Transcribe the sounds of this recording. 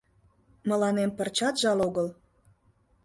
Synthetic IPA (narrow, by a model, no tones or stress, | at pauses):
mə̆lɑnempərt͡ɕɑt̪ʒɑloɣəl